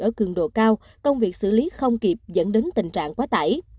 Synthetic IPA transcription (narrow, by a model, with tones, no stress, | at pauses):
ʔəː˧˩kɨ˨˩əŋɗo̰˧˨kaː˧w | kə˧wŋ͡mvi˨˩ək̚sɨ̰˧˩li˨˦xə˧wŋ͡mki˨˩p̚zə̰˧˥nɗe˨˦nt̪ï˨˩ŋt͡ɕa̰ː˧˨ŋkwaː˨˦t̪a̰˧˩j